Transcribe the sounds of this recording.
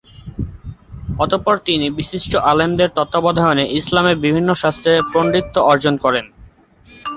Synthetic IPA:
ɔt̪opɔɾt̪inibiʃiʃʈoʔalemd̪eɾt̪ɔt̪ːobɔd̪ʱaeoneʔislameɾbibʱinːoʃast̪ʰɾepɾonɖit̪ːoɔɾd͡ʑonkɔɾen

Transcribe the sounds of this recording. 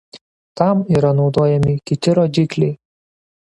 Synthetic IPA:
t̪amiɾɐnud̪ɔjɐmikit̪ʲiɾɔd͡ʒikli

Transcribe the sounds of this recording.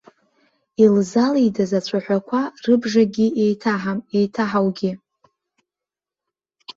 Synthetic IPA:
ilzalijdazat͡ɕʷʰaħʷᶣakʷʰarɨbʐaɡʲiejtʰaħamejtʰaħawɡʲi

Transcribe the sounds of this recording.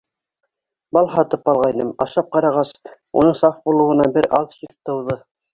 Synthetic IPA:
bɑlˠɦɑt̪ɤpɑlˠʁɑjnɤmɑ̰ʃɑp̚qɑɾɑʁɑs | ṵnɤɴsɑfbulˠŭwɤ̆nɑbɘɾɑlˠʃikt̪ɤ̆wðɤ

